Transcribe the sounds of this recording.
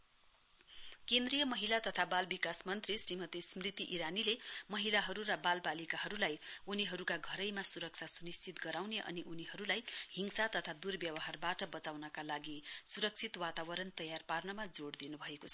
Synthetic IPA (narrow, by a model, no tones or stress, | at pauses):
kend̪rijʌmʌɦilat̪ʌt̪ʰabalbikasmʌnt̪risrimʌt̪ismrit̪iʔiɾanilemʌɦilaɦʌɾuɾʌbalbalikaɦʌɾulajuniɦʌɾukaɡʱʌɾʌjmasuɾʌk̚t͡sʰasunist͡sit̪ɡʌɾawneʔʌ̰niʔuniɦʌɾulajhiŋsat̪ʌt̪ʰad̪urbjʌwʌɦarbaʈʌbʌt͡sawnʌkalaɡisuɾʌk̚t͡sʰit̪wat̪awʌɾʌnt̪ʌjarparnʌmad͡zoɽd̪inubʱʌekot͡sʰʌ̥